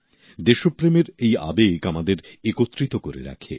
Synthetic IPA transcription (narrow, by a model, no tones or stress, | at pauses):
d̪eʃupɾemeɾeja̰bekamad̪eɾekot̪ːɾit̪okoɾḛɾa̰kʰḛ